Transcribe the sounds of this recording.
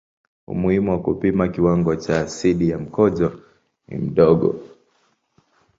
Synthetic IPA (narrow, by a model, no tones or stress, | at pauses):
ṵmuhimuwakupimakiwaŋɡɔt͡ʃaːsiɗijam̩kɔʄɔ | nḭm̩ɗɔɠɔ̰